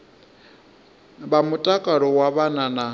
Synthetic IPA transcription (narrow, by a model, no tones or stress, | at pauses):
βamutʼakʼaɺɔwaβanana